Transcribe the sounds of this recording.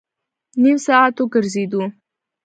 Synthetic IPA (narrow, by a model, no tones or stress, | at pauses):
nimsaat̪oɡəɾzed̪u